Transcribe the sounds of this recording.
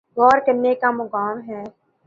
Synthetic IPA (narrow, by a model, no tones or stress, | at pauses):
ɣɔːɾkɐnːekamʊkaːmɦɛː